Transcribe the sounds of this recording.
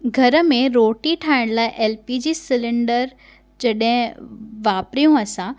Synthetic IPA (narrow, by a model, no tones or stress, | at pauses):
ɡʱɐɾə̆mẽɾoːʈiʈʰaːɪɽ̃laːɪʔeːlpid͡ʑiːsɪlɪ̃ɳɖəɾ | d͡ʑɐɗɦɪ̃ʋaːpɾijũɐsã